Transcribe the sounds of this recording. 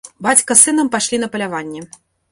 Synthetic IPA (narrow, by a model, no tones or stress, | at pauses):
bat͡sʲkɐsɨnɐmpaʂlʲinɐpɐlʲavanʲːɛ